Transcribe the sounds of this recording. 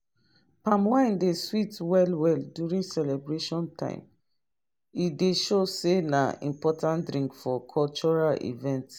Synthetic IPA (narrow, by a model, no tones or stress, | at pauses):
pãmwãɪ̃ndeswitwɛlwɛldjuɹĩnsɛlɛbɹeʃɔ̃ntʰã̰ɪ̃m | ideʃosenaḭ̃mpɔtʰãntdɹĩŋkfɔkʰɔlt͡ʃɔɹalḭvɛ̃nt